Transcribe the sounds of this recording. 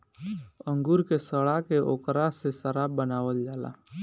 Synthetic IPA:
ə̃ŋɡuːɾkesəɽakeʔo̰ːkɾasesəɾaːbbənaːʋəld͡ʒaːla̰ː

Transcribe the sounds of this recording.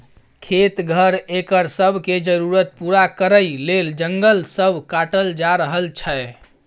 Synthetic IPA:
kʰet̪ɡʱəɾekəɾsəbʱked͡ʒəɾuɾət̪̚puɾakəɾəjleld͡ʒəŋɡəlsəbʱkaʈəld͡ʒaɾəɦəlt͡ʃʰɛe

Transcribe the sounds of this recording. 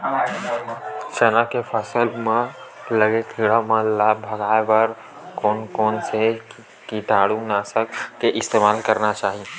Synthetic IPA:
sənakepʰəsəlmẽləɡet̪ʰiɽamẽlaːbʱəɡaːebəɾ | koːnkoːnse | kiʈ̪aːɽũnaːsəkːeʔɪst̪eːmaːlkəɾnat͡ʃaːɦi

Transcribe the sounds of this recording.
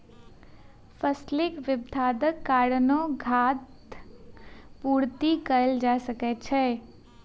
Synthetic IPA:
pʰəslɪkʋɪbd̪ʱaːd̪əkːaːɽnõɡʱaːt̪ | puːɾt̪ikəəld͡ʒaːsəkɛt͡ʃʰɛː

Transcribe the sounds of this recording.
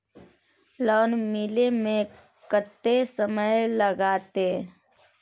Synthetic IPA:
lɔːnmiːlemẽ | kət̪ːesəməjləɡaːt̪e

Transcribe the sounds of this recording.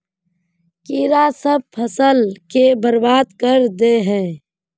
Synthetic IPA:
kiɾasəb̚pʰəsəlkebəɾbaːd̪kəɾd̪eɦɛ̃ː

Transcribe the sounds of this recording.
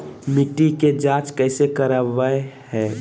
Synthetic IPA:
mɪʈiked͡ʒaːt͡ʃkəɪsekəɾəʋəehɛ̃ː

